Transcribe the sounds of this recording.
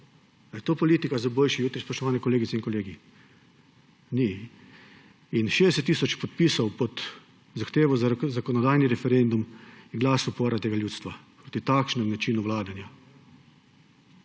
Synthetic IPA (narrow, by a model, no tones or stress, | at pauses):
d̪ajt̪oːpɔliːt̪ikazaboːlʃijuːt̪ɾispɾɔʃt̪ɔʋaːnɛkɔleːɡit̪sɛinkɔleːɡi | ni | inʃeːd̪ɛsɛt̪ːiːsɔt͡ʃpɔt̪̚piːsɔwpɔt̪ | zaxt̪eːʋɔzakɔnɔd̪aːjniɾɛfɛɾend̪umjɛɡlaːsupoːɾat̪eːɡaljuːt̪st̪ʋapɾot̪it̪akʃnɛmnat͡ʃiːnuʋlaːd̪anja